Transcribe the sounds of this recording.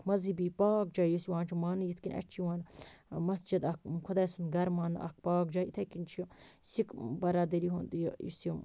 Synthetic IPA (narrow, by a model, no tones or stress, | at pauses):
mɐzibipaːk̚d͡ʒaːjusiwãːnt͡ʃʰimaːnɨjit̪ʰkinɐ̰ʈt͡ʃʰiʋãːnmɐsd͡ʒid̪ɐkkʰud̪aːjsund̪ɡɐɾmaːnɐ̰k̚ʰpaːk̚d͡ʒaːit̪ʰakint͡ʃʰjosikbɐɾaːd̪ɐɾiɦund̪jojḭsju